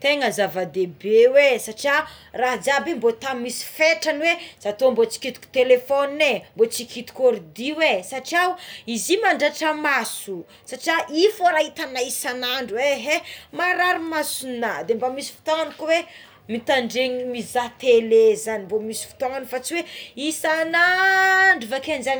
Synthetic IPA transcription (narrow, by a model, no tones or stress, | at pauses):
t̪eŋəzavad̪ebewesaʈ͡ʂia | raɦd͡zabimbot̪amisi̥feʈ͡ʂanwez̥at̪ombot͡si̥kit̪u̥kʲu̥t̪elefɔnembot͡sikit̪u̥koɾid̪iwesaʈ͡ʂiawizimaɳɖ͡ʐaʈ͡ʂəmasu | saʈ͡ʂiaʔifoɾaɦit̪anaisanaɳɖ͡ʐuweɦemaɾaɾimasunad̪embamisi̥fi̥t̪oŋanikuwe | mit̪aɳɖ͡ʐeŋimizat̪elezanimbomisi̥fi̥t̪oŋanfat͡siweisanaɳɖ͡ʐufakenzan